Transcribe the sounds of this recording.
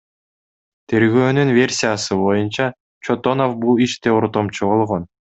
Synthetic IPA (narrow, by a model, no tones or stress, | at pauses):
t̪ʰe̞ɾɡøːnynvʲe̞rʲsʲijasɯbo̞junt͡ʃɑ | t͡ʃot̪o̞nofbulˠiʃt̪euɾt̪omt͡ʃubo̞lˠʁon